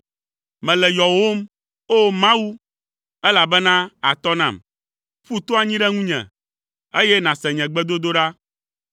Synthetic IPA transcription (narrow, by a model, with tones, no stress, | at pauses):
mɛ̃˨lɛ˨jɔ˨wo˦m | o˦mã˦wu˦ | ɛ˦la˨bɛ˦nã˦a˨t̪ɔ˦nã̰˨m | ɸu˦t̪o˦a˨ɲĩ˦ɖɛ˦ŋũ˦ɲɛ̰̃˨ | e˦jɛ˦nã˨sɛ̃˨ɲɛ̃˨ɡ͡bɛ˦d̪o˦d̪o˦ɖa˦